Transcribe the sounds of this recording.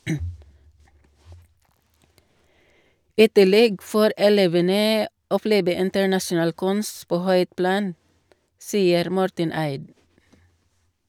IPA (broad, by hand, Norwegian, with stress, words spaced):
ˈiː ˈtɪˌlɛɡ ˈfoːɾ ɛˈleːʋənə ɔˈpleːbə ɪntəɹˈnɑʃʊˌnɑːl ˈkʉns ˈpoː ˈhœʏt ˈplɑːn ˈsiːəɾ ˈmɔɾtən ˈæɪd